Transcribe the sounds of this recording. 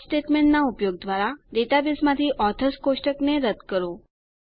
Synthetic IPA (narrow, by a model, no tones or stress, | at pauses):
sʈeʈmeɳʈnaupjoɡ̚d̪ʋaɾaɖ̪et̪abismãt̪ʰiʔɔt̪ʰəskoʃʈəkneɾəd̪kəɾo